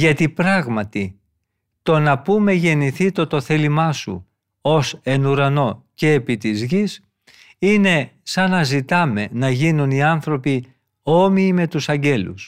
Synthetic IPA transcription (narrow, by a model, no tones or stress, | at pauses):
ʝɐt̪ipɾɐɣmɐt̪i | t̪o̞nɐpume̞ʝe̞niθit̪o̞t̪o̞θe̞limɐsṵ | o̞se̞nuɾɐno̞ce̞ːpit̪izʝis | ine̞sɐnɐzit̪ɐme̞nɐʝinuniɐnθɾo̞pi | o̞miːme̞t̪usɐɲɟe̞lṵs